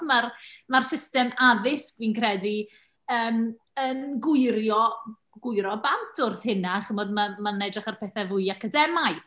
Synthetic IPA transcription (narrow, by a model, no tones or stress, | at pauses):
marmarsɪstɛmaðɪskviːnkʰrɛdi | əːm | ənɡʊɨɾjɔ | ɡʊɨɾɔbantʰʊrθhɪnaχəmɔdmamanɛdraχarpʰɛθɛvʊjakadɛmajθ